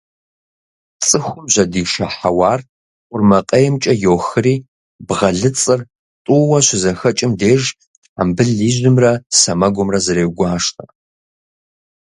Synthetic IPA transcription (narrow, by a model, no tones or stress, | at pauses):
t͡sʼɨxʷʊmʑʷɐdiːʃɐħawɑːr | qʷʼʊrmɐqʼejɛmt͡ʃʼɐjoːxɨriː | bʁɐɮɨt͡sʼɨr | tʼuwɐɕʷɪzɐxɐt͡ʃʼɪmdeːʒ | a̰mbɨɮiːʑʊmrɐsɐmɐɡʷʊmrɐzɨɾeːwɡʷaːʂtʰʼɐ